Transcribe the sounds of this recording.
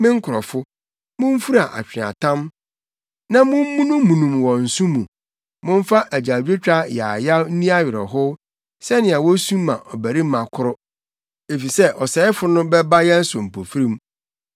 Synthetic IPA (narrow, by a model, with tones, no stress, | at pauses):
mɪ̃˦ŋ̩˦kʰʊ˨ɾɔ˨fʊ˦ | mʊ̃˦m˦fu˦ɾa˨ʔa̰˨t͡ɕᶣɪ̃˨a̰˨tʰã˦m | nã˦mʊ̃˦m̩ː˦ũ˦nũː˦ũ˨nũ˨mwɔ̃˨n̩˨sũ˦mũ˨ | mʊ̃˦m˦fa˦ʔæ˨d͡ʑa˨d͡ʑᶣe˦t͡ɕᶣa˦ja˨ja˦n̩˦nĩ˦a˦ɥɪ˨ɾɔ̰˨ɦʊ˦ | sɛ˦nɪ̃˨a˨wɔ˦sũː˦ã̰˨ʔɔ˨bæ˨ɾi˦mã˨kʰʊ˦ɾʊ˦ | e˨fi˨sɛ˦ʔɔ˨sɛ˨˦ɪ˦fʊ˨˦nʊ̃˦bɛ˦ba˦jɛ˦n̩˦sʊ˨m̩˨pʰo˨fi˦ɾĩ˦m